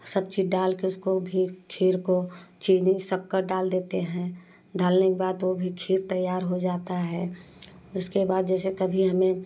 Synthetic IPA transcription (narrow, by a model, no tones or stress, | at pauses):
sɐb̚t͡ʃiɖaːlkeʊskobʱikʰiːɾkot͡ʃiːnisəkːəɾɖaːld̪eːt̪eɦɛ̃ | ɖaːlnɪk̚baːd̪ʋobʱikʰiːɾt̪əjːaːɾɦod͡ʒaːt̪aɦɛː | ʊskebaːd̪d͡ʒɛːsekɐbʱiɦɐmẽ